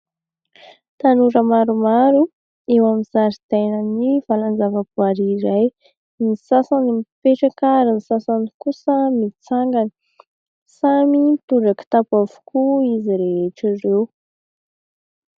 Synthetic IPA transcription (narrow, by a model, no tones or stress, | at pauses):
t̪anuɾəmaɾumaɾu | ewamizaɾit̪ajnənivalanzavəpuaɾiɾaj | nisasanimpeʈ͡ʂakaɾinisasanikusəmit͡saŋɡani̥ | samit̪uɖ͡ʐaki̥t̪apuavu̥kuiziɾeeʈ͡ʂirew